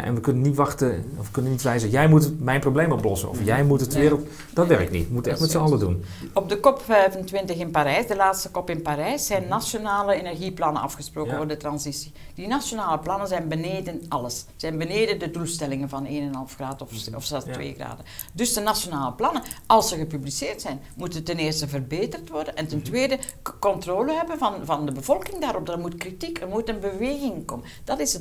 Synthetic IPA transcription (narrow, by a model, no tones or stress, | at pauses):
ʔɛ̰nʋəkɵnənitʋɑxtəɔfʋəkɵnənːitʋɛjzəjɛjmutmɛjnprowblejmɔplɔsə̰nɔ̰fjɛjmutətəʋɪːɾəlˠt | d̥ɑtʋɛrɪknḭtmutɛxtmɛtsəɑlədunɔb̚dəkɔpɛɥvəntʋɪntəxɪnpaːɾɛjsdəlaːtstəkɔpɪnpaːɾɛjsɛjnːasjonaːləenɛrɣiplɑnənɑ̰fxəsproːkənvʊrdətrɑnzisid̥inasjonaːləplɑnəzɛjnbəneːdənʔɑləsz̥ɛjnbəneːdədədulˠstɛlɪŋənvɑneːnɛnɦɑlˠfxraːtɔfɔ̰fsɛlstʋḛːɣra̰ːdədɵsd̥ənasjonaːləplɑnən | ɑlˠsəɣəpyblisɪːrtsɛjn | mutəntɛnɪːrstəvərbeːtərtʋɔrdənʔɛntɛntʋeːdə | kɔntroːləɦɛbənvɑnvɑndəbəvɔlˠkɪŋdaːɾɔp̚darmutkritikərmutənbəʋeːɣɪŋkɔmənd̥ɑtɪsə